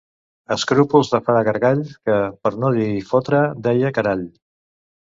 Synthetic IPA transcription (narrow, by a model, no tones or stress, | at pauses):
əskɾupulˠzðəfaɾəɣəɾɣaʎkəpəɾnoðiifot̪ɾəd̪ɛjəkəɾaʎ